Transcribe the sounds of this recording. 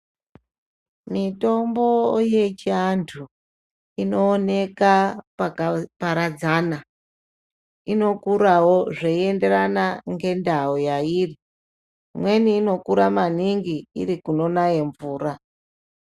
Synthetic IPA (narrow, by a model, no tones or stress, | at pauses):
mito̞mbo̞je̞t͡ʃiantʰu | ino̞ːne̞kapapaɾad͡zaːna | ino̞kuɾawo̞ʐeie̞nde̞ranaŋɡe̞ndaojairi | mwe̞niːno̞kuɾamaniŋɡiḭrikuno̞naje̞ɱvuːra